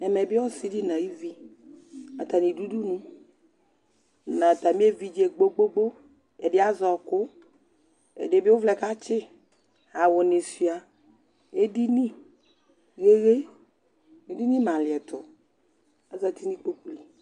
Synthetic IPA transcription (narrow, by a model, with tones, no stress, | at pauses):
nɛ˨mɛ˨bɪ˦ɔ˦si˦di˦nã˨ji˦vi˦ | a˨t̪a˨nĩ˨du˦du˦nũ˦ | nã˨t̪a˨mĩ˦e˦vi˦d͡ʒe˨ɡ͡bo˦ɡ͡bo˦ɡ͡bo˦ | ɛ˨ɖɪ˦a˦zɔ˨kʊ˦ | ḛ˨de˨bi˦wo˦vlɛ˨ka˦t͡ʃɪ˦ | a˨wʊ˨nɪ̃˨si˨a˨ | e˦di˦nĩ˦ | ɣe˦ɣe˦ | mĩ˦di˦nĩ˦mã˨lɪ˨ɛ˨t̪ʊ˨ | a˦za˨t̪i˦nĩ˦k͡po˦k͡pu˦li˨